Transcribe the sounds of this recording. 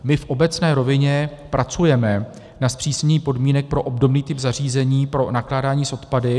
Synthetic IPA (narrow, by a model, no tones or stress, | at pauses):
mɪfʔo̞bɛt͡snɛːɾo̞vɪɲɛpɾʔat͡sujɛmɛ | naspr̝̥iːsɲiːpo̞dmiːnɛk̚pɾo̞ʔobdo̞bniːt̪ɪpzar̝iːzɛɲiːpɾo̞naklaːdaːɲiːsʔo̞t̪padɪ